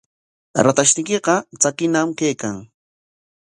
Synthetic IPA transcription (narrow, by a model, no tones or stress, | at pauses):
ɾat̪aʃt̪ɪjkɪqɑt͡sakɪnamkejkaŋ